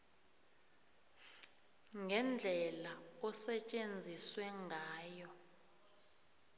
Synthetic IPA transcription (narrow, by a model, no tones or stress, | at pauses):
ŋɡʱɛnd͡ɮʱɛlaɔsɛt͡ʃʼend͡zʱiswɛŋɡʱaːjɔ